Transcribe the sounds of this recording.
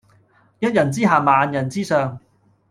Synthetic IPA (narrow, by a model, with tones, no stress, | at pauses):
jɐ˥t̚jɐ˨˩nt͡siː˥ɦaː˨maː˨˧njɐ˨˩nt͡siː˥sœː˨˧ŋ